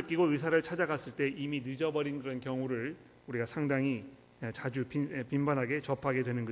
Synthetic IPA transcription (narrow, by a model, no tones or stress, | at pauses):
ɯk͈iɡoɯsʰaɾɯɭt͡ɕʰad͡ʑaɡas͈ɯɭt͈e̞ʔiminɯd͡ʑʌbʌɾinkɯɾʌnkjʌŋuɾɯɭ | uɾiɡasʰaŋdaŋi | t͡ɕad͡ʑupipimbanɦaɡe̞t͡ɕʌpʰaɡe̞dwe̞nɯnɡʌ